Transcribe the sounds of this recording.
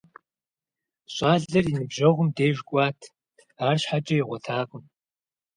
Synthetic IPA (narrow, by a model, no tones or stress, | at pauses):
ɕʼaːɮɐrinɨbʒɐʁʷʊmdeːʒɡʷʼaːtʰ | aːrɕħat͡ʃʼɐjiʁʷɔtʰaːkʷʼʊn